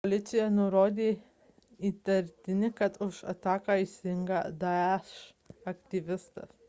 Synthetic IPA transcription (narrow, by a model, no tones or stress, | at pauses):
poːlʲɪt̪sʲɪjɛnʊɾoːd̪ʲeː | iːt̪ɐɾʲt̪ʲɪnʲɪkɐt̪ʊʃɐ̰t̪ɑːkɑːɪʃsʲɪɪŋɡɐd̪ɐɛʃʃ | ɐkt̪ʲiʋʲɪst̪ɐ̰s